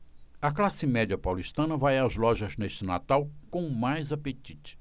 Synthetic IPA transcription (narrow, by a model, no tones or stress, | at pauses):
ɐklasɪmɛd͡ʒiɐpawliʃt̪ɐ̃nɐvajazlɔʒɐzneʃt͡ʃɪna̰t̪awkõmajzapet͡ʃit͡ʃɪ̥